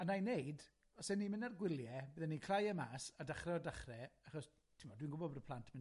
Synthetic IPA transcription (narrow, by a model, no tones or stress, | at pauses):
anajnejd | ɔsɛnimɪnarɡwɪlˠjɛbəːðɛnikʰl̥ˠajəmaːsadaχrɛɔdaχrɛaχɔs | tʰɪmɔdwinɡʊbɔbrəpʰlˠantʰmɪ